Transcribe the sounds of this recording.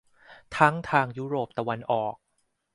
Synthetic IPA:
t̪ʰa˦˥ŋt̪ʰaː˧ŋjuː˦˥ɾoː˨˩p̚t̪a˧wa˧nʔɔː˨˩k̚

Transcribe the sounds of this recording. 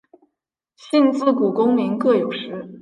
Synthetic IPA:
ɕi˥˧nt͡sɹ̩˥˩ku˨˩kʊ˥ŋmi˧˥ŋkɤ˥˩jo˨˩ʊʂɻ̩˧˥

